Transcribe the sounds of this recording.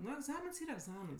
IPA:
ˈnʊ ɛɡˈzɑːmʲɪns ˈiːrɐ ɛɡˈzɑːmʲɪns

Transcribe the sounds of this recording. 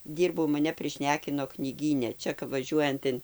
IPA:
ˈdʲiːrbɐʊ mɐˈnʲɛ pʲrʲɪˈʃʲnʲæːkʲɪnoː knʲiːˈɡʲiːnʲɛ ˈt͡ʃʲɛ kɐp ʋɐˈʒʲuɔjɛnt ɪn

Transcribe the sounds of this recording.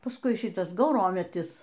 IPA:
pɐsˈkʊɪ ˈʃʲɪtɐs ɡɐʊˈroːmʲɛtʲɪs

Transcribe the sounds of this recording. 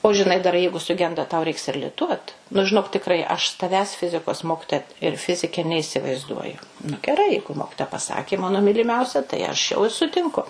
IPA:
oː ʒʲɪˈnɐɪ dɐr ˈjɛɪɡʊ sʊˈɡʲɛndɐ tɐʊ ˈrʲɛɪks ɪr lʲɪˈtuɔt nʊ ʒʲɪˈnoːk tʲɪkˈrɐɪ ɐʃ s tɐˈʋʲæːs ˈfʲɪzʲɪkoːs ˈmoːkʲɪtoːjɛ ɪr ˈfʲɪzʲɪkʲɛ nʲɛiːsʲɪʋɐɪzˈduɔjʊ nʊ ɡʲɛˈrɐɪ ˈjɛɪɡʊ ˈmoːkʲɪtoːjɛ pɐsɐkʲeː ˈmɑːnoː mʲiːlʲɪˈmʲɛʊsʲɛ tɐɪ ɐʃ jɛʊ ɪ sʊtʲɪŋˈkʊ

